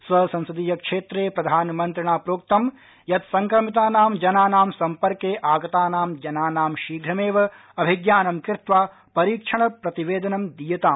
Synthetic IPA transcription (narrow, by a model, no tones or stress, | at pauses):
sʋɐsɐ̃nsɐd̪iːjɐkʂeːt̪ɾeːpɾɐd̪ʱaːnmɐnt̪ɾɐɳaːpɾoːk̚t̪ɐm | jɐt̪sɐŋkɾɐmit̪̬aːnaːmd͡ʒɐnaːnaːmsɐmpɐɾkeːʔaːɡɐt̪aːnaːmd͡ʒɐnaːnaːmʃiːɡɾɐmeːʋɐ | ɐbʱiɡjaːnɐmkɪɾt̪ʋaː | pɐɾiːkʂɐɳɐpɾɐt̪iʋeːd̪ɐnɐmd̪ijɐt̪aːm